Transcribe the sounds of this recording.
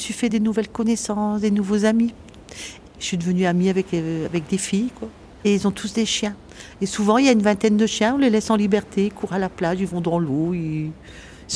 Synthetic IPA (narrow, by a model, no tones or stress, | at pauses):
əsɥifɛd̪enuvɛlkɔnesɑ̃sd̪enuvozami | sid̪əvənyamiavɛkavɛk̚d̪efijkwa | eilzɔ̃t̪ʰusd̪eʃjɛ̃ | esuvɑ̃iljaynvɛ̃t̪ɛnd̪əʃjɛ̃ɔ̃lelɛsɑ̃libɛʁt̪ʰeikʰuʁalaplaʒilvɔ̃d̪ɑ̃loi | s